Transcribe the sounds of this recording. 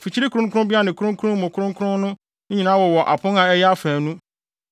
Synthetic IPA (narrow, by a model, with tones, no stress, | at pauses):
fi˨t͡ɕʰi˦ɾi˦kʰu˨ɾʊ̃˦ŋkʊ˦ɾʊ̃˦bi˦a˦˨nɪ̃˨kʰu˦ɾʊ̃˦ŋ˦kʰu˦ɾʊ̃˦m˦mʊ̃˨kʰʊ˦ɾʊ̃˦ŋ˦kʰʊ˦ɾʊ̃˦nʊ̃˦ | ɲ̩˦ɲi˨nãː˨˦wɔ˨wɔ˨ʔa̰˨pʰʊ̃˦ŋã˨ɛ˦jɛ˦a˦fæ̃ː˨nũ˦